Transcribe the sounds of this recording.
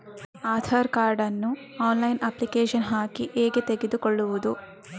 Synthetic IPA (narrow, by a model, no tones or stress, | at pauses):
aːd̪ʰʱaːɾkaːɾɖɐnːu | aːnlɐjnɐpːlikeːʃɐnɦaːkiʔeːɡet̪e̞ɡed̪ukoɭːuʋud̪u